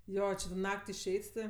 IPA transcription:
ˈjoː t͡ʃʲɪ toː ˈnɐkʲtʲ ɪʃʲˈɛɪtʲ tʲɪ

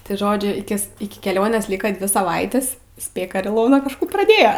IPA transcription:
tɐɪ ˈʒoːd͡ʒʲʊ ɪˈkʲɪs ɪkʲɪ kʲɛˈlʲoːnʲeːs ˈlʲiːkɐ ˈdʲʋʲɪ sɐˈʋɐɪtʲɪs ˈsʲpʲeːk ɐr ɪˈlˠoːnɐ kɐʃˈkuː prɐˈdʲeːjɛ

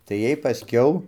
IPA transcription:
tɐɪ ˈjiɛj pɐˈsʲkʲɛʊ

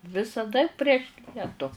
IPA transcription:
ʋʲɪsɐˈdɐ pʲrʲiɛʃ ˈlʲiɛtʊ

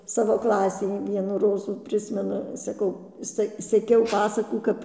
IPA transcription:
ˈsɑːʋoː ˈklˠɑːsʲɛɪ ˈʋʲiɛnuː ˈroːzuː ˈpʲrʲɪsʲmʲɛnʊ sɐˈkɐʊ ˈsʲɛ sʲɛˈkʲɛʊ ˈpɑːsɐkuː ˈkɐp

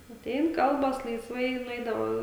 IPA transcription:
ɐtʲˈɛɪn ˈkɐlˠbɐs lˠɐɪsˈʋɐɪ ɪ nʊˈɛɪdɐʋoː

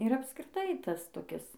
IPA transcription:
ɪr ɐpskrʲɪˈtɐɪ ˈtɐs toːˈkʲɪs

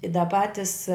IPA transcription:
ɪ dɐ ˈpɑːtʲɪs

